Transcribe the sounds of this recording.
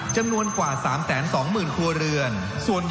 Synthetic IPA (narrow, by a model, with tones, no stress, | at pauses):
t͡ɕa˧mnu˧ənkwaː˨˩saː˩˦msɛː˩˦nsɔː˩˦ŋmɯː˨˩nt̪ʰu˧əɾɯ˧ən | su˨˩ən